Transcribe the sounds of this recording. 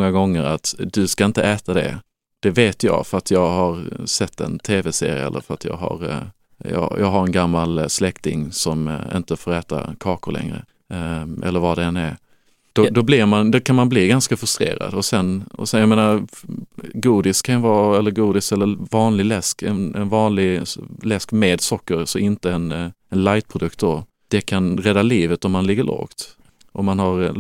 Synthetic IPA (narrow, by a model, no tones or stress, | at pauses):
ŋːaɡɔŋːəɾat̪d̪ɵskaɪnt̪əɛːt̪ad̪ɛ̰ | d̪̥ɛveːt̪jɑ̰ːɡfœɾat̪jɑːɡɦaɾsɛt̪ːɛ̰nt̪ʰeːvɛsḛːɾɪ̰ɛ̰lːə̰ɾfœɾat̪jɑ̰ːɡɦa̰ɾ | jɑ̰ːjɑːɡɦaɾɛnɡamːalslɛkt̪ɪŋsɔmɪ̰nt̪əfoːɾɛːt̪a̰kʰɑːkʊɾlʔɛ̰ŋɾə̰ | ʔɛ̰lːəɾvad̪ɛɛnɛɾ | d̪̥ɔd̪ɔblɪɾmand̪ɔkʰanmanbliːɡanskafɵst̪ɾḛːɾa̰d̪ɔsɛnɔ̰sɛnjameːnaɾ | ɡuːd̪ɪskʰanjvɑːɛlːəɾɡuːd̪ɪsɛlːəvɑːnlɪɡlɛskɛ̰nɛnvɑːnlɪɡlɛskmeːd̪sɔkːəɾsɔɪnt̪əɛn | ɛnlajt̪̚pʰɾʊd̪ɵk̚t̪d̪ɔ | d̪̥ɛkʰanɾɛd̪ːaliːvət̪ɔmːanlɪɡːəɭɔ̰ɡt̪ | ʔɔmːanɦaɾ